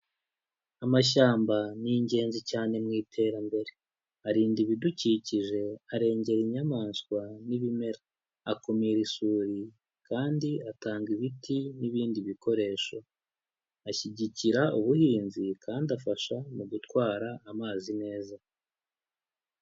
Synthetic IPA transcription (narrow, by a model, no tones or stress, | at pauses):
amaʃ̬aːmbaniɲɟe̞ːnzicaːne̞mŋiːtʰe̞ːɾambe̞ɾe̞ | aɾiːndiβiduciciʒe̞aɾe̞ːɲɟe̞ɾiɲamaːnskwaniβime̞ɾaː | komiɾisuːɾi | kaːndiataːŋɡiβitʰiniβiːndiβiko̞ɾe̞ːʃo̞ | açiɟiciɾauβuhiːnzikaːndafaʃamuɡutkwaːɾaʔːmaːzine̞ːza